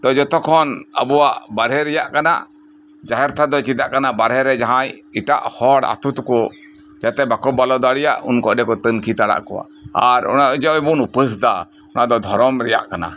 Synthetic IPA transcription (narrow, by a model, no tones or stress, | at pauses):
t̪ɔd͡ʒɔt̪ɔkʰɔnə̰buwaʔbaɾɛɾɛjaʔkana̰ | d͡ʒaɦɛɾt̪ʰad̪ɔt͡ʃit̪aʔkanabaɾɦɛɾɛd͡ʒaɦãjiʈa̰ʔhɔɽa̰t̪ut̪kɔ | d͡ʒat̪ɛbakɔbalɔd̪aɽɛja̰ʔṵnkɔ̰ʔɖɛkɔt̪ənkʰit̪aɽa̰ʔkɔ̰wa̰ʔaɾɔ̰naʔud͡ʒɔɛbunupəsd̪a | ɔnad̪ɔd̪ʱɔɾɔmɾɛja̰ʔkana̰